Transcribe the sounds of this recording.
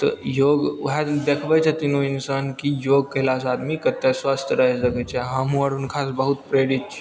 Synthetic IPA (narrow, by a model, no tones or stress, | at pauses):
t̪ə̰joɡɦad̪ekʰʋajt͡sat̪inoinsankijoɡ̚kelas̬at̪miːkət̪ːasʋast̪ʰjəɾaɦed͡zəɡəjt͡ɕaɦãmuaɽuːnkʰasbəɦut̪pɾeɽit̪̚t͡ʃ